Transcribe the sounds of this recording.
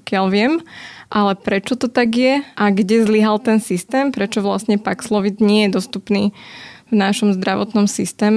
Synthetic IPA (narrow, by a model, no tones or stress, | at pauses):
kɪalʋɪɛmʔalɛpɾɛt͡ʃɔt̪ɔt̪aɡjɛʔaɡɟɛzliɦalt̪ɛnsist̪ɛːmpɾɛt͡ʃɔʋlasɲɛpakslɔʋid̪ɲɪɛjɛd̪ɔst̪upniːvnaʃɔmzd̪ɾaʋɔt̪nɔmsist̪ɛːm